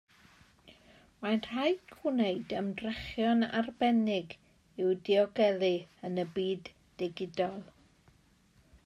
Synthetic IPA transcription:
manr̥ajkʰwɪneɨdəmdrɛχjɔna̰rbɛnɪɡ | ɪwdiɔɡɛlˠiənəbiːdː | ɪɡɪdɔlˠ

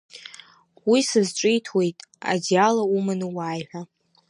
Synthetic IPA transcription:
wisɨzʈ͡ʂʷʼejtʰwe̞jtʼa̰dijalaumanɨwaːjħʷᶣa

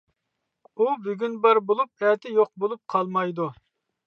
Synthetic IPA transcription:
ubyɡʲynbɑɾbolˠup̚ɛt̪ʰɪjoq̚bolˠup̚qʰɑlˠmɑjd̪u

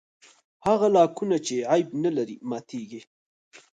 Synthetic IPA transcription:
haɣalɑkunat͡ʃeʕajbnalaɾimɑt̪ʰeɡi

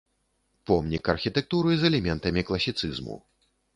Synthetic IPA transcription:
pɔmnʲikɐrxʲit̪ɛk̚t̪uɾɨzɛlʲɛmʲɛnt̪ɐmʲiklˠɐsʲit̪sɨzmṵ

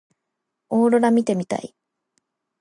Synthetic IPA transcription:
oːɾo̞ɾamʲit̪e̞mʲit̪a̰ḭ

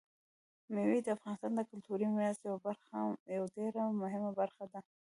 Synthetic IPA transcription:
mewid̪əafɣɑnɪst̪ɑnd̪əkʊlt̪uɾimjast̪jawabaɾxajawɖeɾamʊɦɪmabaɾxad̪a

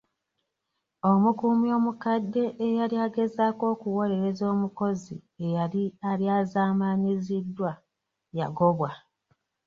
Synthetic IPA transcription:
o̞mukumjo̞ːmukadːe̞ʔːjaɾiaɡe̞zaːko̞ːkuwo̞ɾe̞ɾe̞zo̞ːmuko̞zie̞jalialjaːzaːmaɲizidːwa | ja̰ɡo̞βwa

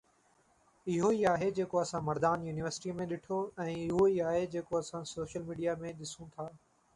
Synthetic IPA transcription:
ɪɦoiaːɦed͡ʑeːkoɐsãmɐɾd̪aːnjuːnɪʋəɾsɪ̥ʈimẽɗɪʈʰoɛ̃ːɪɦoiaːɦed͡ʑeːkoɐsãsoːʃəlmiːɖijamẽɗɪsũt̪ʰaː

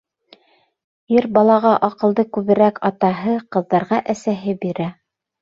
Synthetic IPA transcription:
iɾbɑlˠɑʁɑʔɑqɤ̆lˠd̪ɤkʉβɘ̆ɾækɑt̪ɑɦɤqɤ̆ðːɑɾʁɑʔæsæɦɘbiɾæ

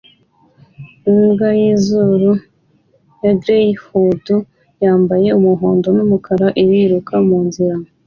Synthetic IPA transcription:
imɡajizuɾu | jaɡɾehudu | jaːmbaje̞umuɦoːndo̞numukʰaɾaʔiɾiɾukʰamuːnziɾa

